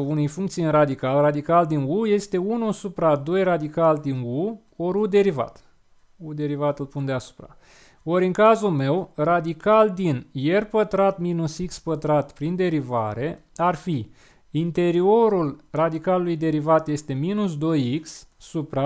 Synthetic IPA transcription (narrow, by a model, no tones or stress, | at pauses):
unujfuŋkt̪siɨnrad̪ikalrad̪ikald̪inuje̞st̪e̞unusupɾad̪o̞jrad̪ikald̪inu | o̞ɾud̪e̞ɾiva̰t̪ | ud̪e̞ɾivat̪ɨlpund̪easu̥pɾa̰ | o̞ɾɨŋkazulme̞wrad̪ikald̪inje̞rpət̪ɾat̪minusikspət̪ɾat̪pɾind̪e̞ɾivaɾe̞arfi | int̪e̞ɾio̞ɾulrad̪ikalulujd̪e̞ɾivat̪jest̪e̞minus̬d̪o̞jiksːupɾa